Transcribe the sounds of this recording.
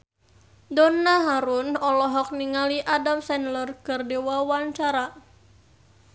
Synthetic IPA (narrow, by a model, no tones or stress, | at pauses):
dɔnːaɦaɾunɔlɔɦɔk̚niŋaliʔadamsɛnlərkɨrdewawaɲt͡ʃaɾa